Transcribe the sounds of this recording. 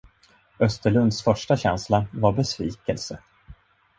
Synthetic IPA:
œst̪əɭɵnd̪sfœʂʈaɕɛnslavaɾbɛsviːkɛlsə

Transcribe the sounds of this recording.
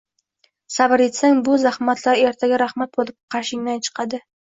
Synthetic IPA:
sabɪɾet̪saŋbʊzahmat̪ʰlaɾe̞ɾt̪ʰaɡʲaɾahmat̪̚bolˠɪp̚qʰɑɾʃɪŋnant͡ʃʰɨ̥qʰɑd̪ɪ

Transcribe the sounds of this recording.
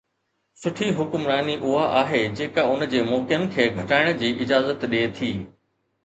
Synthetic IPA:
sʊʈʰiɦʊkʊmɾaːniʔʊɦaʔaːɦed͡ʑeːkaʊnd͡ʑeːmɔːkɪnkʰeːɡʱɐʈaːɪɽ̃̆d͡ʑiːʔɪd͡ʑaːzət̪ɗeːt̪ʰiː

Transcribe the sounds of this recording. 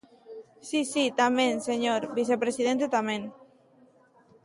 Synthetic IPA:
sisit̪amẽnseɲoɾbis̬epɾesiðent̪et̪amẽn

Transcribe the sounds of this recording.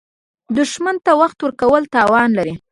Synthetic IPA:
d̪ʊʃmant̪awaxt̪wəɾkawəlt̪ɑwɑnlaɾi

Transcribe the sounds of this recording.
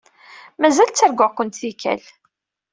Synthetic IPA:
mæzælt͡sːæɾɡʊkʷənt̪θikæ̰l

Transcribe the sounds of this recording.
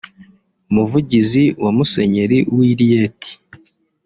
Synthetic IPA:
umuvuɟiziwamuse̞ɲeɾiwiɾijetʰi̥

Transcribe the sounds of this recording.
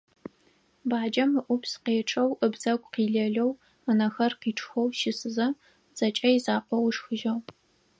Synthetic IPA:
baːd͡ʒɐmɨʔʷʊpsqeːʈ͡ʂʼɐwəbz̥ɐɡʷʼqiːɮɐɮɐw | ənɐxɐrqiːʈ͡ʂʰʼxɔwʃɪsɨzɐ | z̥ɐt͡ʃʼɐjizaːqʷɔwʂxɨʒɐw

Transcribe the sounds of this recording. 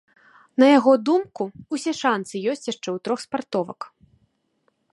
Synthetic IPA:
nɐjaɣɔd̪umkuusʲɛʂansɨjɔsʲt͡sʲjaʂt͡ʂɛwt̪ɾɔxspart̪ɔvɐ̰k

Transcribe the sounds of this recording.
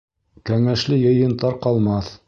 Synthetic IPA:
kæŋæʃlɘjɤ̆jɤ̆nt̪ɑɾqɑlˠmɑθ

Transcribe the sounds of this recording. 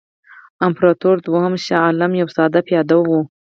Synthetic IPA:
ampɾɑt̪oɾd̪wahamʃaɑlamjawsɑd̪apjɑd̪awu

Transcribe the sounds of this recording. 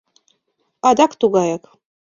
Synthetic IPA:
ɑd̪ɑkt̪uɣɑjɑk

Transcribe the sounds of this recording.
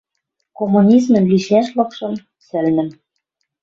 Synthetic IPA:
komunʲizmə̆nliʃæʃlɤ̆kʃɤ̆m | sɘ̆lnɘ̆m

